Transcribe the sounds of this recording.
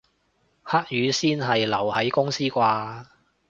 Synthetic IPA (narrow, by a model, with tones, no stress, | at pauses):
haː˥k̚jyː˨˥siː˥nɦɐ˨jlɐ˨˩whɐ˨˥jkʊ˥ŋsiː˥kʷaː˧